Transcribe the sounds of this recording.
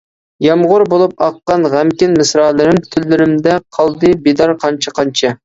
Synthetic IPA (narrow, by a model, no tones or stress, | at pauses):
jɑmʁʊɾbolˠup̚ɑqːɑnʁæmkʲɪnmɨsɾɑːlˠɨɾɪmt̪ʰylːɪɾɪmd̪ɛqʰɑlˠd̪ɨbed̪ɑɾqʰɑnt͡ʃʰɑqʰɑnt͡ʃʰɑ